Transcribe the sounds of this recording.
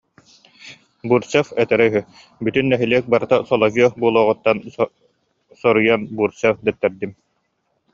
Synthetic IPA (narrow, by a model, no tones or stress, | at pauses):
buːɾsɛfɛt̪ɛɾɛɦy | byt̪ynːɛɦiliɛk̚baɾɯt̪asɔlˠɔɡiɔbuɔlˠuːʁut̪ːan | sɔɾujanbuːɾt͡ɕɛfd̪ɛt̪ːɛɾd̪im